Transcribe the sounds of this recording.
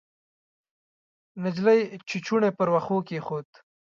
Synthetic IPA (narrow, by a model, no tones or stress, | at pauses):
nɪd͡ʒlajt͡ʃit͡ʃuɳepəɾwaxokexoːt̪